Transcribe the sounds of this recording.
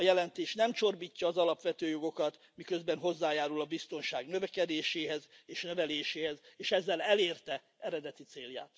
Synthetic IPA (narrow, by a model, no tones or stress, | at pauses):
ɒjɛlɛnt̪eːʃnɛmt͡ʃo̞rbiːcːɒːzɒlɒpʋɛt̪øːjo̞ɡo̞kɒt̪ | mikø̞zbɛnɦo̞zːaːjaːɾulɒbist̪o̞nʃaːɡnøvɛkɛd̪eːʃeːɦɛzeːʃnøvɛleːʃeːhɛzeːʃɛzːɛlɛleːrt̪ɛ | ɛɾɛd̪ɛt̪it̪seːlja̰ːt̪